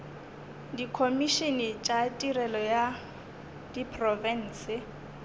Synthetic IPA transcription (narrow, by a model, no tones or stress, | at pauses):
dikʰomiʃenɪt͡ʃʼatʼirɛlɔja | dipʰrɔvɛn̩ːsɪ